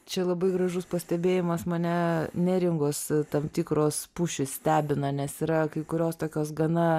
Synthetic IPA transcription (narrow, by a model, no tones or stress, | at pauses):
t͡ʃʲɛlˠɐbɐɪɡɾɐʒʊspɐsʲt̪ʲɛbʲeːjɪmɐsmɐnʲɛnʲɛɾʲɪŋɡoːst̪ɐmt̪ʲiːkɾoːspuːʃʲɪssʲt̪ʲæːbʲɪnɐnʲɛsiɾɐkɐɪkʊɾʲoːst̪oːkʲoːsɡɐnɐ